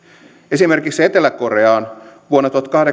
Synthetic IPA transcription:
e̞simerkiksːet̪elːˑækːo̞reɑːnʋuonːɑt̪uhɑt̪kɑhde

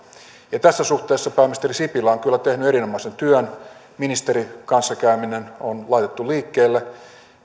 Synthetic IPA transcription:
jɑt̪æsːæsuht̪eːsːɑpæːmist̪erisipilæoŋkylːæt̪ehnyeɾinomɑisent̪yøn | minist̪eɾikɑnsːɑkæyminenonlɑit̪et̪ːuliːkːeːlːe

